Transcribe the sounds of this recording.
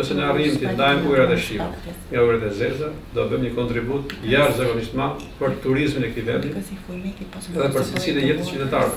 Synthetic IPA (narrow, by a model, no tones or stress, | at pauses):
ɔsɛnɛarimt̪ind̪aɛmbuɛɾaðɛʃima̰ | ŋauɡɾɛt̪ɛzɛlza | d̪ɔɛbəmɲəkɔnt̪ɾibut̪jaɾzaɡɔnist̪manpəɾt̪uɾizminɛk̚t̪ivɛ̰nd̪i | ɛðɛpəɾsinɛjɛt̪ət͡ʃyt̪ɛt̪aɾ